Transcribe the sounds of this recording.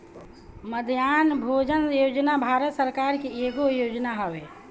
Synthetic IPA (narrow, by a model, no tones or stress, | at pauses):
məd̪ʱjanbʱod͡ʒənjod͡ʒnabʱaɾət̪səɾkaɾkeeɡojod͡ʒnaɦəbe